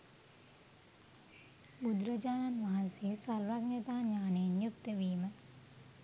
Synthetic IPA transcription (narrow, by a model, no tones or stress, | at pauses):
mud̪ɾəd͡ʒaːnanʋɐɦãsesɐɾʋaːɡnɐt̪aːɲaːneːnjukt̪əʋiːmɐ